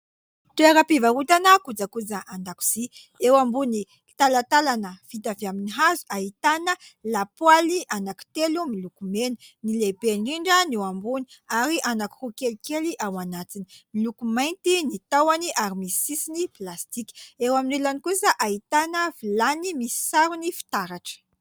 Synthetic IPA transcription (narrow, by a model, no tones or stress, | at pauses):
t̪ueɾapivaut̪anəkud͡zakud͡zaʔand̪aku̥si | ewambuni | t̪alat̪alanəfit̪aviaminiɦazuʔaɦit̪anəlapwaliʔanaki̥t̪elumilukumenunilebeɳɖ͡ʐiɳɖ͡ʐənewambuniaɾiʔanaku̥rukelikeliʔawanat̪ini̥milukumajnt̪init̪awaniʔaɾimisisiniplast̪ikʲi̥ewaminelanikusəʔait̪anəvilanimisi̥saɾunifi̥t̪aɾaʈ͡ʂə̥